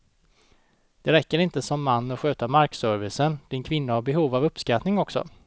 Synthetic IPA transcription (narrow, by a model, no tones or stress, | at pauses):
d̪̥ɛɾɛkːəɾɪnt̪əsɔmːanːɔɧøːt̪amaɾksœɾvɪsənd̪̥ɪnkʰvɪnːahaɾbɛɦuːvavɵpːskat̪nɪŋɔksɔ̰